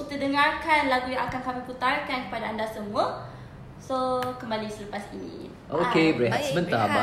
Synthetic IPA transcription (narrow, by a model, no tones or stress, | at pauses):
kit̪ədəŋarkanlaɡujãŋakankamiput̪arkankə̥padaːndasəmuə | sokəmbalisələpasnḭ | ʔokebəɾaɦat̪səmənt̪aba